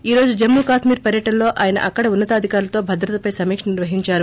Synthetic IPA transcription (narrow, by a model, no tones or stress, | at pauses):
iːɾo̞ːd͡ʒud͡ʒemːuːkaːʂmiːɾpɐɾjɐʈɐnlo̞ːʔaːjɐnɐ̰ʔɐkːɐɽɐunːɐt̪ɐːd̪ʱikaːɾulɐt̪o̞ːbʱɐd̪ɾɐt̪ɐpɐjsɐmiːkʂɐniɾʋɐɦiɲt͡ʃaːɾu